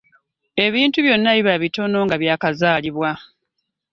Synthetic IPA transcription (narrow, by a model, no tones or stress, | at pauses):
e̞βiːntuβjo̞nːaβiβaβito̞no̞ŋɡaβjaːkazaːliβwa